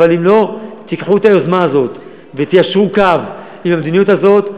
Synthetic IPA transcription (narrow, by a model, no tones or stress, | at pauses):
alimlo̞t̪ikħuet̪ajo̞zmaːzo̞t̪ | vet̪ijaʃʁukav | imhamed̪inijut̪hazo̞t̪